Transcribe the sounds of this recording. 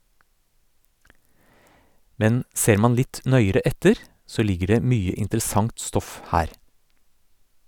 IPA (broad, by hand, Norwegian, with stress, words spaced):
ˈmɛn ˈseːɾ ˈmɑn ˈlɪt ˈnœʏəɾɛ ˈɛtəɾ ˈsoː ˈlɪɡə ˈɖeː ˈmyːə ɪntɾəˈsɑŋt ˈstɔf ˈhæːɾ